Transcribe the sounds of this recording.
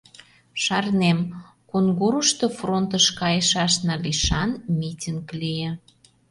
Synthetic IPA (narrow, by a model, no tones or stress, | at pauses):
ʃɑrnem | konɡoɾuʃt̪ofront̪əʃkɑjəʃɑʃnɑliʃɑnmʲitʲiŋklijĕ